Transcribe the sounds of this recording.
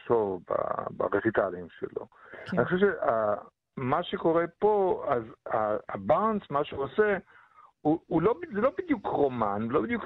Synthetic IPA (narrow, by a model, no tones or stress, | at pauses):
ʃovba̰ba̰ʁet͡sit̪alimʃḛlo̞̰aanixoʃeʃea | maʃeko̞ʁepo̞azaːbansmaʃeuose | uulobzelo̞bid̪jukʁomanelobid̪juk